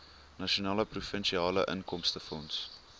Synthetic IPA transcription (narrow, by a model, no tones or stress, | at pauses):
nɐʃonɑːləprufənʃiɑːlə̰ʔə̰nkɔmstəfɔns